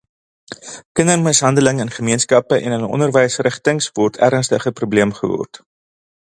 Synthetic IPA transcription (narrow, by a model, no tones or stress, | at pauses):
kənərməsɦɐndələŋənχəmiənskɐpəʔɛnənɔ̰ndərvəjsrəχtəŋsvɔrtʰæ̰ɾənstəχəprubliəmχəvɔ̰rt